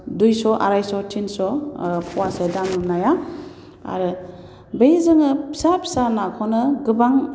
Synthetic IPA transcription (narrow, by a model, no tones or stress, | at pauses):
dujsɔʔa̰ɾajsɔtʰinsɔpʰuwasedanumnaja | a̰ɾɯ | bejzɯŋɯpʰsapʰsanakʰɔnɯɡɯbaŋ